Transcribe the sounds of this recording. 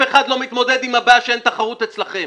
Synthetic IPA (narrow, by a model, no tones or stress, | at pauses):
eχad̪lo̞mit̪mo̞d̪ed̪imhabaʃeent̪aχaʁut̪et͡slaχe̞m